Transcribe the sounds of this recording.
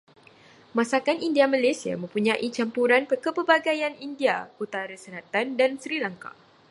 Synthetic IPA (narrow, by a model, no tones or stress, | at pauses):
mãsakanindiamalasia̰mə̃mpuɲãʔit͡ʃampuɾanpərkəpəbaɡajanindiakut̪aɾəsəlat̪andansəɾilaŋka̰